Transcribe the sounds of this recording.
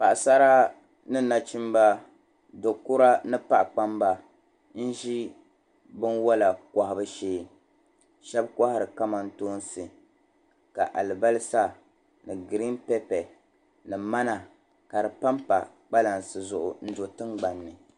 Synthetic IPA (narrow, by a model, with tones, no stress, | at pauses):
pa˨ʔsa˦ɾa˦ | nɨ˦na˨t͡ʃi˦mba˦ | do˨kʊ˦ɾa˦nɨ˦pa˦ʔk͡pa˦mba˦ | n̩˦ʒi˦ | bɨ˦nwa˦la˨ka˨hɪ˨bɨ˦ʃeː˦ | ʃɛ˦bka˦hɪ˨ɾɨ˨ka˦ma˨n̩˦toː˦n˦sɨ˨ | ka˨ʔa˨lɨ˨ba˦lɨ˦sa˦ | nɨ˨ɡɨ˨ɾi˦mpɛ˦pɛ˨ | nɨ˨ma˦na˨ | ka˨dɨ˨pa˦mpa̰˨ | k͡pa˦la˨n˨sɨ˨zʊ˨ʔʊ̰˨n̩˦do˨tɨ˦ŋɡ͡ba˨nːɨ˨